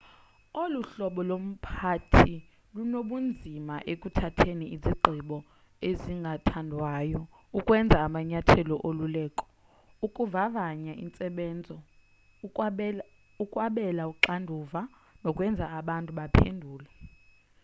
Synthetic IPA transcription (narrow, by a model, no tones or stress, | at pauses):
oluɬɔɓɔlom̩pʰatʰi | lunoɓund͡zʱimaʔekʼutʰatʰeniiziǃʱiɓɔ | eziŋɡʱatʰandʱwaːjɔ | ukʼwɛnd͡zʱaːmaɲatʰɛlɔʔolulɛːkʼɔ̥ | ukʼuvavaɲaʔḭnt͡sʼɛɓɛːnd͡zʱɔ | ukʼwaɓɛlauǃandʱuva | nɔkʼwɛnd͡zʱaːɓantʼuɓapʰendʱuːla